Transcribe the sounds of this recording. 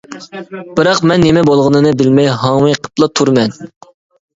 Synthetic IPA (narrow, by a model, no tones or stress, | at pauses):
bɨɾɑqmɛnːemɛbolˠʁənɨnɨbɪlmɛjɦɑŋwɨjqʰə̥plˠɑt̪ʰuɾmɛn